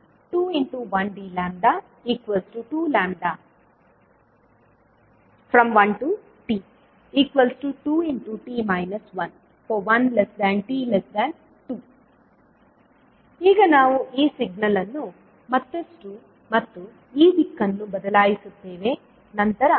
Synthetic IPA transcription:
ʈuːiɳʈuʋɐnɖiːlaːmɖaː | iːkʋɐlsʈuʈuːlaːmɖaː | pʰɾɐmʋɐnʈu | ʈiː | iːkʋɐlsʈuʈuːiɳʈuʈiːmɐjnɐsʋɐn | foːʋɐnlesd̪æɳʈiːlɐsd̪ɛːɳ | ʈuː | iːɡɐnaːʋuʔiːsiɡ̚nɐlɐnːu | mɐt̪ːɐsʈu | mɐt̪ːu | iːʋikːɐnːubɐd̪ɐlaːjisut̪ːe̞ːʋe | nɐnt̪ɐɾɐ

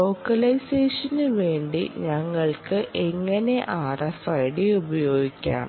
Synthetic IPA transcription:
lo̞ːkːɐlɐjseːʂɐnɨʋe̞ːɳɖḭɲɐŋːɐɭkɨʔe̞ŋːɐne̞ʔaːrɐsɐjɽiubɐjo̞ːɡikʲːa̰ːɳ

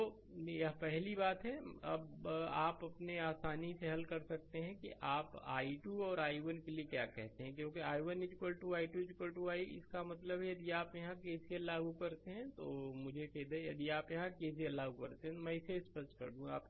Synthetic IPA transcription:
t̪o | jɦãpɛɦlibaːt̪ɦɛɐ̰baːpɐpneaːsaːniseɦɐlkɐɾsɐk̚t̪eɦɛ̃kḭʔaːpaːiʈuːɔːɾaːiʋənkeliekja̰ːkɛɦt̪eɦɛ̃k̬jõːkiaːiʋənɪd͡ʒkəlʈuaːiʈuɪd͡ʒɪkəlʈuaːiɪ̰skamɐt̪ləbɦɛjɐd̪iaːpjɐɦãkeːsielaːɡukɐɾt̪eɦɛ̃t̪oːmʊd͡ʒʱekɛɦd̪ejɐd̪iaːpjɐɦãkeːs̬iɐlaːɡukɐɾt̪eɦɛ̃t̪omɛ̃ɪseɪspəst͡ʃkɐ̰ɾd̪ũa̰ːp

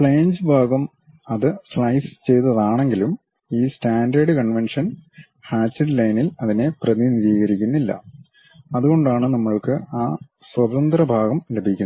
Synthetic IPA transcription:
pɭejnd͡ʑɨbʱaːɡɐm | ɐðɨsɭɐjst͡ɕe̞jt̪ɐðaːɳe̞ŋɡilum | iːstaːndɐɖɨkɐɳʋenʂɐn | haːt͡ɕːiɖlɐjnilɐðine̞prɐðiniðiːɣɐɾikʲːunːilːɐ̰ | ɐðuɣo̞ɳɖaːɳɨnɐmːɐɭkɨaː | swɐt̪ɐnd̪rɐbʱaːɣɐmle̞bʱikʲːun

